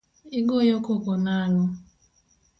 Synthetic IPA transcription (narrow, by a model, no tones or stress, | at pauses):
iɡojokokonanɔ